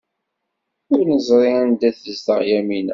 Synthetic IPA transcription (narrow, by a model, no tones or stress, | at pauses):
ʊɾnəzˤɾˤɪænd̪æθðəst̪əʁjæminæ̰